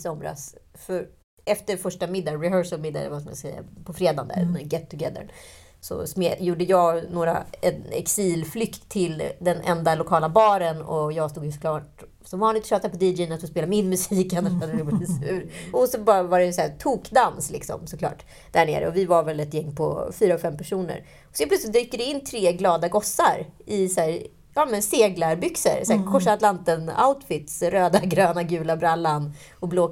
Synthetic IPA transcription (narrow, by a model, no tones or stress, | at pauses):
sɔmɾa̰sfœɾ | ɛft̪əɾfœʂʈamɪd̪ːaɾɪɦœʂəlmɪd̪ːa̰d̪ɛ̰vasmja̰sɛjːa̰pʰɔfɾeːd̪a̰nd̪æ̰ɾnɛɡɛt̪ʰːɵɡɛd̪ə̰ɾ | sɔ̰smejuːɖəjɑːɡnoːɾa̰ɛnɛ̰ksiːlflʏkt̪ʰːɪld̪ɛnʔɛ̰nd̪alʊkʰɑːlabɑːɾənɔ̰jɑːɡst̪uːɡhskʰlɑːʈ | sɔmvɑːnɪt̪ɔ̥ɕʃɑːt̪apʰɔd̪ɪd͡ʒɛnat̪fɔspeːlamɪnmɵsiːkɛnəʂfad̪ɛɾbsʉ̟ːɾɔsɔbɑːɾavaɖɛsæːt̪ʰuːkd̪anslɪ̰ksɔ̰msɔkʰlɑ̰ːʈ | d̪̥æɳḛːɾə̰ɔvɪvaɾvɛlɛt̪jɛŋːpʰɔ̰fyːɾaɔɡfɛmːpʰæʂuːnə̰ɾ | ɔsɔɛnpʰlœt̪sɪt̪̚d̪yːkːəɖ̪ɛɪnːt̪ʰɾeːɡlɑːd̪aɡɔsːaɾʔɪsæːɾ | ɑːmɛnseːɡlaɾbʏksə̰ɾsæːɾkʰɔʂat̪lant̪əna̰ʊt̪fɪt̪sɾøːd̪aɡɾøːnaɡʉ̟ːlabɾalːanɔbloː